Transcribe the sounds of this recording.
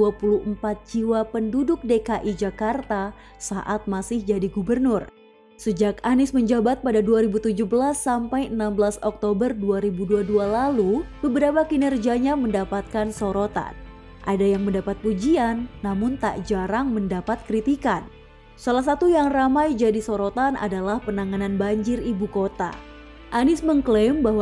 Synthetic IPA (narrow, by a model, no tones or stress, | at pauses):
duapuluəmpat̪̚d͡ʒiwapəndudʊk̚dekaʔid͡ʒakart̪a | saʔat̪̚masɪhd͡ʒadiɡubərnʊr | səd͡ʒakanɪsməɲd͡ʒabat̪̚padaduaɾibut̪ud͡ʒuhbəlasːampajənambəlasɔk̚t̪obərduaɾibuduadualalubəbəɾapakinərd͡ʒiaɲaməndapat̪̚kansoɾot̪a̰n | ʔa̰dajaŋməndapat̪̚pud͡ʒianːamʊnt̪a̰ʔd͡ʒaɾaŋməndapat̪̚kɾit̪ikan | salahs̬at̪ujaŋramajd͡ʒadisoɾot̪ana̰dalahpənaŋananbaɲd͡ʒɪribukot̪a̰ | ʔanɪsməŋklɛmbahw